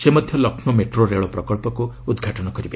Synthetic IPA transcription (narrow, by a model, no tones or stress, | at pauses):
semɔd̪ʱjɔlɔkʰnomeʈɾoɾeɭɔpɾɔkɔlpɔkuud̪ɡʱaʈɔnɔkɔɾibe